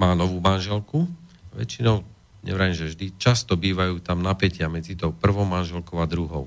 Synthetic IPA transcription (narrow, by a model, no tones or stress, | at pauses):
maːnɔʋuːmanʒɛlkuʋɛ̰t͡ʃinɔʊ | ɲɛ̰ʋɾaimʒɛvʒd̪it͡ʃast̪ɔbiːʋajuːt̪amnapɛcɪamɛd͡zit̪ɔʊpr̩ʋɔʊmanʒɛlkɔʊad̪ɾuɦɔʊ